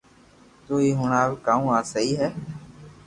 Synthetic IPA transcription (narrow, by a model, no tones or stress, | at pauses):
t̪uːiːɦʊɳaːʋɪkaːũːaːsəiːɦɛː